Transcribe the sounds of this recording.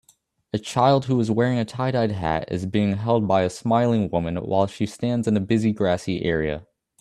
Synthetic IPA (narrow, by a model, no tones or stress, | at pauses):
ɨt͡ʃʰaɪlˠd̚huɨzwɛɹɪ̃ŋɨtʰaɪɾaɪd̚ɦæ̰ɾɪ̰zbiɪ̃ŋɦɛlˠd̚baɪɨsmaɪlˠɪ̃ŋwʊmɨ̃nwa̰ɪlˠʃistæ̃ndzɨ̃nɨbɪziɡɹæsiʔɛɹiɨ̰